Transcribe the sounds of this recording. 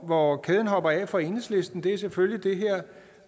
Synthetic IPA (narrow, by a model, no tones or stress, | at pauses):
ʋɒkʰɛːð̞ˠən̩ɦɒ̽b̥ɐɛ̰ːfɒe̝nəsle̝sd̥n̩d̥e̝æɐseføljid̥e̝ɦɛɐ̰